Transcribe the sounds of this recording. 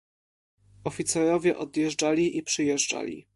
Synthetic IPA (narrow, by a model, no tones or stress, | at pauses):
ɔfʲit̪sɛɾɔvʲjɛʔɔd̪jɛʐd͡ʐalʲiʔipʂɘjɛʐd͡ʐa̰lʲḭ